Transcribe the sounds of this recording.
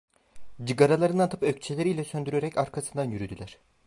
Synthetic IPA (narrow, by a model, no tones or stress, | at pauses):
d͡ʒɯɡaɾalˠaɾɯnant̪ʰɯ̥pøct͡ʃʰelʲeɾijlʲɛsø̞nd̪yɾeɾɛcaɾkʰasɯnd̪anjyɾyd̪ylʲæɾ̝̥